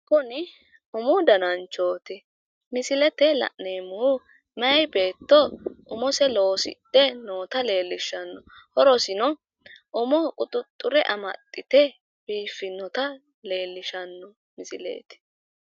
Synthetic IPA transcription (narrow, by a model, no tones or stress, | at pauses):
kʊnɪ | ʊmɔd̪ɐnɐnt͡ʃoːt̪ɛ | mɪsɪlɛt̪ɛlɐ̰ʔneːmu | mɐjbe̞ːt̪ːɔʔʊmɔsɛlo̞ːsɪ̰d̪ɛnoːt̪ɐle̞ːlːɪʃɐnːɔ | hɔɾɔsɪnɔ | ʔʊmɔkʼʊt̪ʼʊt̪ʼːʊɾɛʔɐmɐ̰t̪ʼːɪt̪ɛ | b̥iːfːɪnɔt̪ɐ | le̞ːlːɪʃɐnːɔ | mɪsɪlḛːt̪ɛ̥